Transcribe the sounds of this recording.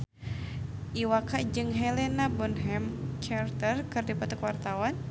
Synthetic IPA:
ʔiwakad͡ʒɨŋɦɛlɛnabunɦɛmt͡ʃart̪ərkɨrdipat̪əkuwart̪awan

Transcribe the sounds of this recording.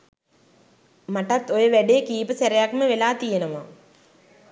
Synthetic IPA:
maʈat̪ːojəʋæɖekiːpəseɾejakməʋelaːt̪ijenəʋa

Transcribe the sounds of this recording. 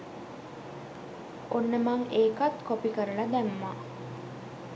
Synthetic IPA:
onːəmaŋeːkat̪kopikəɾəlad̪æmːa

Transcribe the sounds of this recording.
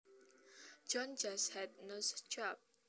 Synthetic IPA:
d͡ʒɔ̃nd͡ʒashɛd̚nəst͡ʃap̚

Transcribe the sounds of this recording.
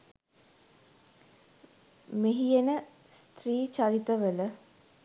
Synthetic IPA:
meɦijenə | st̪riːt͡ʃaɾit̪əʋələ

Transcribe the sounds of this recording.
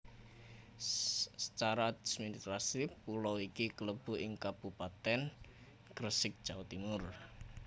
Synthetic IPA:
sə̥t͡ʃaɾad̪ismint̪ɾasipulɔwikikələb̥ṳʔɪŋkab̥upat̪ɛn | kɾəsɪk̚d̥ʒ̥aut̪imʊr

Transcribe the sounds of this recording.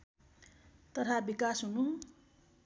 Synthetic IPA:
t̪ʌt̪ʰabikasɦunu

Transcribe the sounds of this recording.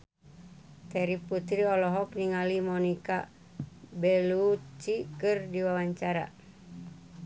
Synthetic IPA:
t̪ɛɾiput̪ɾiɔlɔɦɔkniŋalimɔnika̰ | bɛlut͡ʃikɨrdiwawaɲt͡ʃaɾa̰

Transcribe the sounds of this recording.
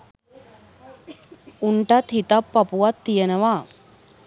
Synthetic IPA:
uɳʈat̪ɦit̪apːapuʋat̪ːijənəʋaː

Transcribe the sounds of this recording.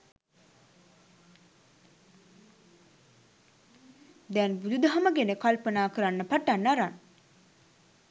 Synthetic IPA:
d̪ɛnbud̪ud̪əɦɐməɡenekalpənaːkəɾanːəpaʈanːaɾan

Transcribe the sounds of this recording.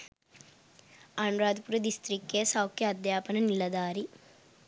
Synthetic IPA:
aːɳɾaːd̪puɾɐd̪ist̪ɾikːesɐwkʰjɐɐd̪jaːpɐnɐnilːɐd̪aːɾi

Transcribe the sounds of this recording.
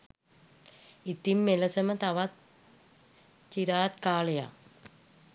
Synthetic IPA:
it̪imːelɐsəmət̪aʋat̪̚ | t͡ɕiɾaːt̪kaːleja̰

